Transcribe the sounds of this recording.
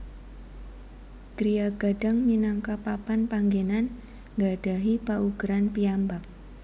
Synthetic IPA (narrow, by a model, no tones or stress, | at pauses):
ɡ̥ɾijaɡ̥a̤ɖ̥a̤ŋminaŋkapapanpaŋɡenan | ŋɡaɖ̥a̤ɦipauɡ̥ɾanpiambak̚